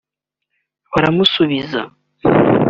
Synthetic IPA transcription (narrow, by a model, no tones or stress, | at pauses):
βaɾamusuβiza